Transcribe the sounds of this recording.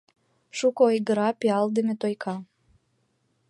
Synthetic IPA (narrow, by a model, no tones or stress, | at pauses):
ʃukoojɣə̆ɾɑpeɑld̪əmet̪ojkʰɑ